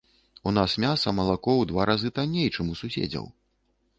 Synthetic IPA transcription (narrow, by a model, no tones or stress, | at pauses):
un̪asmʲasɐmɐlˠakɔwd̪vaɾazɨt̪anʲːejt͡ʂɨmususʲḛd͡zʲɐ̰w